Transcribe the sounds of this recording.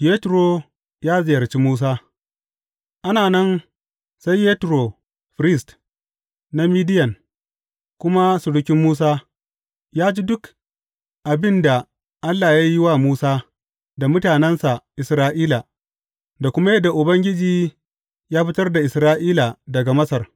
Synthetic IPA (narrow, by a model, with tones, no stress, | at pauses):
je˦tɾo˨ | jaː˦zɪ˨jɐ˨rt͡ʃi˦muː˦s̬aː˦ | ʔa˦naː˨nɐ˦n | sa˦jːeː˦tɾo˨ | ɸɾɪ˦˨st | na˦miː˦dɪ˦jɐ˨ŋ | kʷʊ˦ma˦su˨ɽʊ˦kʲɪ˦mːuː˦s̬aː˦ | jaː˦d͡ʒiː˦dʊ˦k | ʔa˨bɪ˦nda˨ | ʔa˦lːaː˨ja˦ji˦wa˦muː˦saː˦ | da˨mʊ˦taː˨nɛ˦nsa˨ʔɪ˨sɾaː˦ʔiː˦la˨ | da˨kʷʊ˦ma˦jɐ˦dːa˨ʔʊ˨bɐ˦ŋɡʲɪ˦d͡ʒiː˨ | jaː˦ɸɪ˦tɐ˦rda˨ʔɪ˨sɾaː˦ʔiː˦la˨dɐ˨ɡa˨mɐ˦sɐ˨r